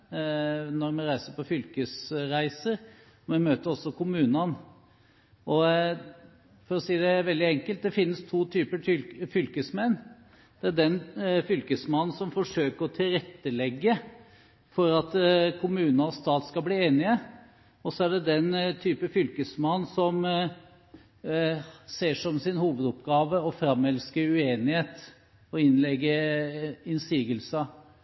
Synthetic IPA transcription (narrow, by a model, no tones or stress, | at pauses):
nɔɾmɛnɾæɪsəɾpɔfʏlkəsɾæɪsəɾ | mɛnmøːt̪əɾɔsːɔkʰʊmʉːnɑn | ɔ | fɔɾɔsiːəd̪ɛʋɛld̪ɪɛŋkəlt̪̚d̪ɛfɪnːəst̪ʰuːt̪ʰyːpəʈʏfʏlkəsmɛnː | d̪̥ɛæɖɛnfʏlkəsmɑnːn̩sɔmfɔʂøːkəɾɔt̪ʰɪlɾɛt̪ːəlɛɡːə | fɔɾɑt̪kʰʊmʉːnɑst̪ɑːt̪skɑbliːeːnɪə | ɔsːɔæɖɛd̪ɛnt̪ʰyːpəfʏlkəsmɑnːsɔm | seːʂɔmsɪnhuːʋəd̪ʊpɡɑːʋəɔfɾɑmːɛlskəɾʉeːnɪheːt̪ | ɔɪnlɛɡːəɾ | ɪnsiːɡəlsɑ